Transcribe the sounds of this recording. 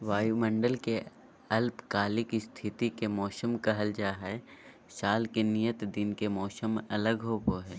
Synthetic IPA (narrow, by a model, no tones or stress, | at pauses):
ʋaːjumə̃ɳɖəlke | ɐlpkaːlɪkist̪ʰɪt̪ikemɔːsəmkɐɦəld͡ʒaːɦɛ | saːlkenijət̪d̪ɪnkemɔːsəmɐləɡɦoːboɦɛː